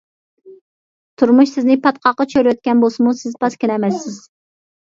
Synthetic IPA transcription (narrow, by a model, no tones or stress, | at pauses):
t̪ʰuɾmuʃsɪznɪpʰɑt̪qʰɑqːɑt͡ʃʰøɾøt̪̚kʲɛnbosɨmusɪzpɑskʲinɛmɛsːɪz̥